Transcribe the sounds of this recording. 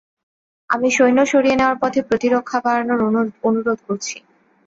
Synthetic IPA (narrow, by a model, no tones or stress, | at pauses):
amiʃojnoʃoɾieneoaɾpɔt̪ʰepɾot̪iɾokʰːakaɾanoɾonuɾod̪̚ʱkoɾt͡ɕʰi̥